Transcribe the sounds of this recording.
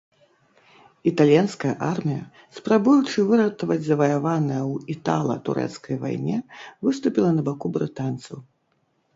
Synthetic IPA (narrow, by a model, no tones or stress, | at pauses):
it̪alʲijanskɐjɐʔarmʲijɐ̰ | spɾabujut͡ʂɨvɨɾɐt̪ɐvɐd͡zʲzɐvɐjavanɐjɐwit̪a̰lˠɐ̰t̪ṵɾɛ̰t̪skɐjva̰jnʲɛvɨst̪upʲilˠɐnɐbakubɾɨt̪ant̪sɐw